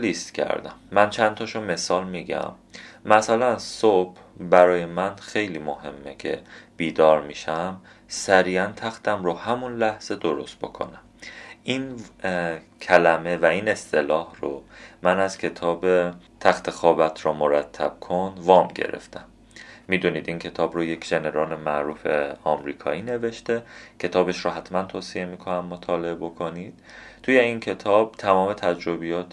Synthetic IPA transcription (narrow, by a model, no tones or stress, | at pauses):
list̪cʰæ̰ɾd̪æ̰mːænt͡ʃʰænt̪ʰɒʃome̞sɒːlmiːɟæ̰mː | æsælænsob̥ | bæɾɒːje̞mænxe̞jliːmohe̞mːecʰe̞̰b̥iːd̪ɒːɾmiʃæm | sæɾiːænt̪ʰæxt̪ʰæmɾohæmunlæhz̥e̞d̪oɾo̞st̪̚bo̰kʰo̰næmin | cʰælæme̞væine̞st̪ʰe̞lɒːhromænæzcʲʰe̞t̪ʰɒːbet̪ʰæxt̪ʰe̞xɒːbæt̪ʰrɒːmoɾæt̪ʰːæb̥̚kʰond̪vɒːmɟḛɾḛft̪æmː | iːd̪uniːd̪incʰe̞t̪ʰɒːbɾoje̞cʰʒe̞ne̞ɾɒːlemæʔɾuːfeɒːmɾiːkʰɒ̰ːiːne̞ve̞ʃt̪ecʰe̞t̪ʰɒːbe̞ʃɾɔɦæt̪ʰmænt̪ʰoːsie̞miːkʰonæmːot̪ʰɒːle̞ebo̞kʰonid̪̥̚t̪ʰuːje̞incʰe̞t̪ʰɒːb̥̚t̪ʰæmɒːme̞t̪ʰæd͡ʒɾobijɒːt̪